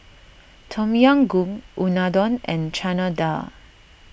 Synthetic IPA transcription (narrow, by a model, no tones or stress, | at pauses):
tʰɔ̃mjãŋɡũŋʔunadɔ̃nɛ̃nt͡ʃʰanada̰